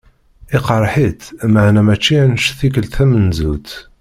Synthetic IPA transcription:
iqɑɾˤħit̪maʕnæmæt͡ʃːinʃθikəlt̪æmənzut̪

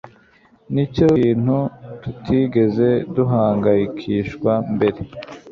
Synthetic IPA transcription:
nico̞ːn̥hututʰiɡe̞ze̞duɦaːŋɡajikʰiʃkwambe̞ɾe̞

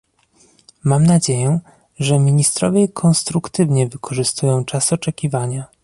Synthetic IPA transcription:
mamnad͡ʑejɛ | ʐɛmʲiɲist̪ɾɔvʲjɛkʰɔnst̪ɾukt̪ɘvɲɛvɘkʰɔʐɘst̪ujɔ̃w̃t͡ʂasɔt͡ʂɛkʲivaɲa

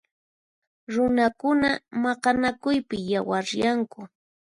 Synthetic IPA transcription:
ɾʊnakʊnamɑɢɑnakʊjpɪjawaɾjaŋkʊ

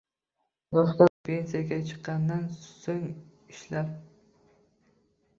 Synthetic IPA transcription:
loχt̪ɑpʰensijaɡʲɛt͡ʃʰɨ̥qːɑnd̪ɨnsoŋiʃlæp̚

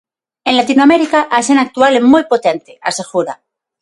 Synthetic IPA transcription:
ẽnlat̪inwameɾikaʔasenak̚t̪ualemujpo̞t̪e̞nt̪ea̰seɣuɾa̰

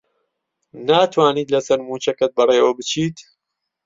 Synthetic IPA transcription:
naːt̪ʰwaːniːt̪lɐsɐɾmuːt͡ʃɐkɐt̪̚bɐreːwɐbɨt͡ʃʰiːt̪

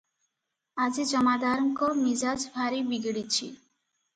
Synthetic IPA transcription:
ad͡ʑid͡ʑɔmad̪aɾŋkomid͡ʑad͡ʑbʱaɾibiɡɽit͡ɕʰḭ

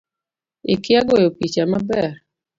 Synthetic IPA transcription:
ɪkɪaɡojopit͡ʃamabɛr

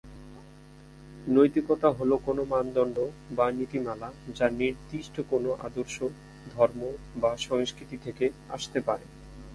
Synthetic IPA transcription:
nojt̪ikɔt̪aɦolokonomand̪ɔɳɖobanit̪imalad͡ʑaniɾd̪iʃʈʰokonoʔa̰d̪oɾʃo | d̪ʱɔɾmo | baʃɔŋskɾit̪it̪ʰekeaʃt̪epaɾe

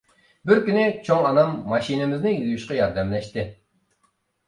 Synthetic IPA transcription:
bɪɾkʲynɪt͡ʃʰoŋɑnɑmːɑʃinɪmɪznɪjujuʃqɑjɑɾd̪ɛmlɛʃt̪ɪ

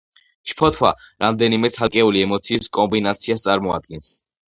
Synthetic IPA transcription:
ʃpʰɔt̪ʰwa̰ɾamd̪ɛnimɛt̪sʰalˠkʼɛuliɛmɔt̪sʰiːskʼɔmbinat̪sʰiast̪sʼaɾmɔa̰d̪̚ɡɛns

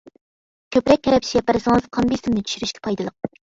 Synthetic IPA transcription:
kʲʰøpɾɛk̚ʲʰːɛɾɛpʰʃijɛpæɾɪsɨŋɨzqʰɑmbisɪmnɪt̪ʰy̥ʃyɾyʃkʲʰɛ̥pʰɑjd̪ɨlˠəq̚

